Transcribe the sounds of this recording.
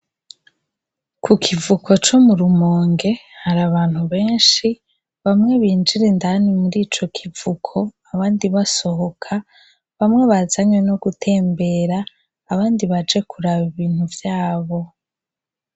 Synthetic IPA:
kʰukʰivukʰo̞t͡ʃo̞muɾumoːŋɡe̞haɾaβaːn̥huβe̞ːnʃi | βamŋe̞βiːnd͡ʒiɾendanimuɾiːt͡ʃo̞kʰivukʰo̞aβaːndiβaso̞ɦo̞kʰa | βamŋe̞βazaɲweno̞ɡutʰe̞ːmbe̞ɾaː | βaːndiβad͡ʒe̞kʰuɾaβiβiːn̥huvjaːβo̞

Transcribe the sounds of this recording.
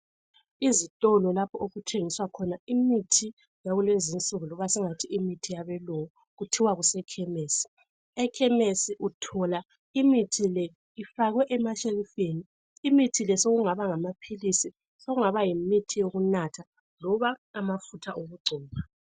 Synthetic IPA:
izitʼɔlɔlapʰɔoɣutʰeŋiswakʰɔnaimitʰi | jaɣulwezint͡sʼuɣulɔβasɛŋatʰiimitʰijaβɛluŋu | ɣutʰiwaɣusɛkʰɛmeːsi̥ | ɛkʰɛmesiʔutʰɔla | imitʰilɛ | ifaɣwɛʔɛmaʃelifeniː | mitʰilɛsoɣuŋaβaŋamapʰilisi | soɣuŋaβajimitʰijoɣunatʰa | lɔβaːmafutʰaʔoɣuɡ͡ǀʱɔːma

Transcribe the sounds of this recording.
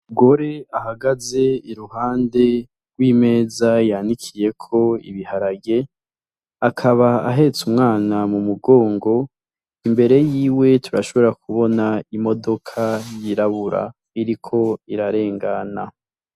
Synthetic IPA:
ɡo̞ɾe̞ahaɡaze̞iɾuhaːnde̞ | ɾɡwiːme̞ːzajanikʰije̞kʰo̞ḭβihaɾaɡe̞ | akʰaβa̰ːɦe̞t͡sumŋaːnamumuɡo̞ːŋɡo̞ | imbe̞ɾe̞jiːwe̞tʰuɾaʃo̞βo̞oɾakʰuβo̞naimo̞do̞kʰajiɾaβuɾa̰ | iɾikʰo̞iɾaɾe̞ːŋɡana

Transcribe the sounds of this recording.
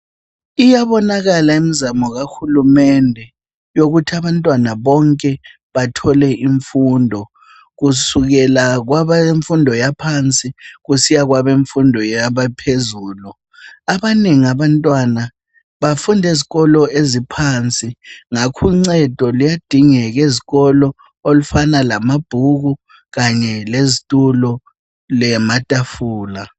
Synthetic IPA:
ijaβɔnaɣalaimizamɔɣaxulumɛndʱɛ | joɣutʰiaβantʼwanaβɔŋkʼɛ | βatʰɔlɛʔiɱfundʱɔ | ɣusuɣɛlaɣwaβaeɱfundʱɔjapʰant͡sʼiɣusijaɣwaβeɱfundʱɔjaβapʰezuːlu | aβaniŋiaβantʼwana | βafundʱeziɣɔlɔezipʰant͡sʼiŋakʰuŋ͡ǀɛd̥ʱɔlijad̥ʱiŋɛɣeziɣɔlɔ | olufanalamab̥ʱuɣu | ɣaɲɛlezitʼulɔ | lɛmatʼafuːla

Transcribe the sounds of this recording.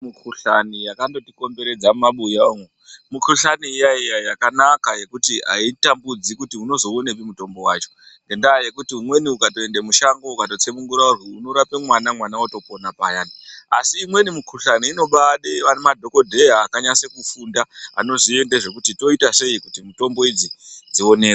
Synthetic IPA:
mukʰuɬanijakando̞tiko̞mbe̞ɾe̞d͡zamaɓujaoŋemukuɬaniːjajijajakanakaje̞kutiɦa̰itambud͡zikutiuno̞zo̞onepimuto̞mbo̞wa̰ːt͡ʃo̞̥ | ŋɡe̞ndaːje̞kutiumwe̞niukatoe̞ndemuʃaŋɡoukato̞t͡semuŋɡuɾaurjuuno̞ɾapemwanamwanawato̞po̞napajania̰siːmwe̞nimukuruɬaniino̞ɓaɗeʋanemadʱo̞ko̞dʱe̞jaːkaɲasekufundaa̰no̞ʐie̞ndeʐe̞kutito̞itaʂe̞ikutimuto̞mbo̞id͡zid͡zio̞ne̞ːra

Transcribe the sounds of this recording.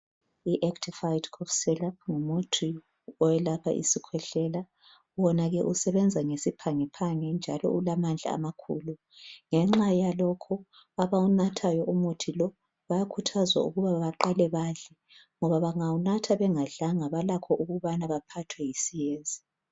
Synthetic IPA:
iʔɛktʰifajdkʰɔfsɛlap̚ŋumutʰi | ɔwɛlapʰa̰ʔḭsikʰwɛɬɛla | wɔnaɣɛʔusɛβɛnd͡zʱaŋesipʰaŋɛpʰaŋɛnd͡ʒʱa̰lɔ̰ʔulamand͡ɮʱa̰a̰makʰṵːlu | ŋɛŋ͡ǁajalɔkʰɔ | aβaunatʰajɔʔumutʰilɔ | βajakʰutʰazwa̰uɣuβaβaǃalɛβaɮɛ | ŋɔβaβaŋawunatʰaβɛŋaɮaŋaβalakʰɔʔuɣuβanaβapʰatʰwɛjisijeːnzi

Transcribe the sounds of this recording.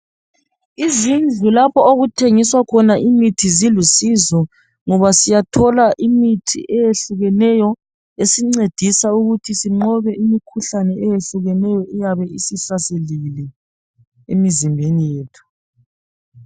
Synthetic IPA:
izind͡ɮʱulapʰɔoɣutʰeŋiswakʰɔnaimitʰizilusizɔ | ŋɔβasijatʰɔlaʔimitʰḭʔɛjeɬuɣɛnɛjɔ | esiŋ͡ǀed̥ʱisauɣutʰisiŋ͡ǃɔβɛʔimikʰuɬanɛɛjeɬuɣɛnɛjɔʔɛjaβɛisisaselilɛ | emizimbʱenijeːtʰu̥

